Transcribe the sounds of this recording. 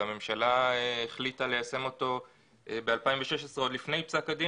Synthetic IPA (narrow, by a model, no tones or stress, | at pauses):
ame̞mʃalaeːχlitale̞jase̞mo̞to̞ | ʔebealpaimveʃeʃesʁeo̞d̪lifne̞jpsakadi